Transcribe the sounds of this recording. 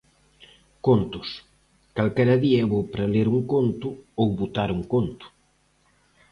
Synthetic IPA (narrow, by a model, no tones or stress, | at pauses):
kont̪ʊs | kalkɛɾɐðiɐɛβowpɾɐleɾuŋkont̪ʊowβut̪aɾuŋkont̪ʊ̥